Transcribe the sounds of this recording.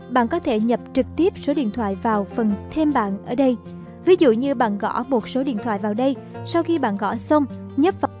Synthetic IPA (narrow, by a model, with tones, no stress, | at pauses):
ɓa̰ː˧˨nkɔ˨˦t̪ʰe˧˩ɲə˨˩p̚t͡ɕɨ˨˩k̚t̪i˦˥əp̚so˨˦ɗḭ˧˨ənt̪ʰwa̰ː˧˨jvaː˨˩wfə˨˩nt̪ʰe˧mɓa̰ː˧˨nʔəː˧˩ɗə˧j | vi˨˦zṵ˧˨ɲɨ˧ɓa̰ː˧˨nɣɔ̰˧˥mo˨˩t̚so˨˦ɗḭ˧ənt̪ʰwa̰ː˧˨jvaː˨˩wɗə˧j | sa˧wxi˧ɓa̰ː˧˨nɣɔ̰˧˥sə˧wŋ͡m | ɲə˦˥p̚v